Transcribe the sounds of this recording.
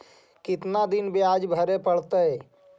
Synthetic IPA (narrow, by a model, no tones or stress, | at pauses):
kɪt̪nad̪ɪnbeaːd͡ʒbʱəɾepəɽ̤t̪əɛ